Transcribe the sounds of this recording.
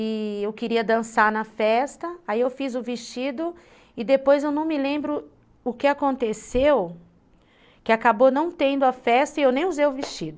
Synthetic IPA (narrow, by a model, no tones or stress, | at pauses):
ɪewkɪɾiɐd̪ɐ̃saɾnɐfɛst̪ɐaiewfizʊvist͡ʃid̪ʊ | ɪd̪epojzewnɐ̃w̃mɪlẽmbɾʊ | ʊkɪakõnt̪esew | kɪakabonɐ̃w̃t̪ẽnd̪ʊɐfɛst̪ɐɪewnẽj̃uzejʊvist͡ʃid̪ʊ